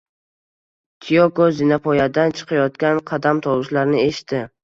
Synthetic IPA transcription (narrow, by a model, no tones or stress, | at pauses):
t̪ʰijokozinapʰɒjad̪ant͡ʃʰɨ̥qʰɑjɒt̪kʲanqʰɑd̪amt̪ʰɒwʊʃlaɾnɪe̞ʃɪ̥t̪ʰːɪ